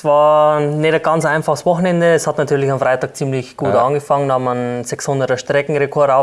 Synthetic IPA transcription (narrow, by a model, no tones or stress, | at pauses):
svɑːɐnetɡ̥ɑnt͡sʔaɪnfaχəsvɔxn̩ɛndəːshatnatʰyːɐlɪçamfʁaɪtɑːk̚t͡siːmlɪçɡ̥uːtʔɑnɡəfaŋəndmanzɛkshʊndətɐʃtʁ̥ɛkŋ̩ʁekʰɔɐdaʊ